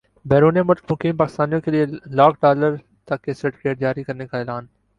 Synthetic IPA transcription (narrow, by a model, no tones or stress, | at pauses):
bɛːɾuːnemʊmʊkiːmpaːkɪ̥st̪aːnijõkelielaːkʰɖaːləɾ | t̪ɐkːesəʈkeːʈd͡ʒaːɾikɐɾnekaɛːlaːn